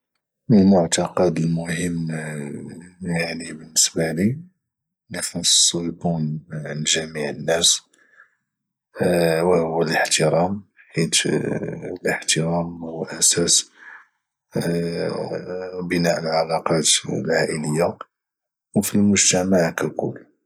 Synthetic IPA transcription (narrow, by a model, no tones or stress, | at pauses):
mənmʊʕt̪ɑqɑd̪əlmʊhəmː | jaʕnibənːəsbali | næfɑ̥sˤːukunʕnʒæmiʕənːæs | wæhʊwːələħt̪əɾˤɑm | ħit̪ | ləħt̪əɾɑmwʔæsæs | bənæʔəlʕalɑqɑt̪lʕaʔələjːa | wfilmʊʒt̪æmaʕkækʊ̰lː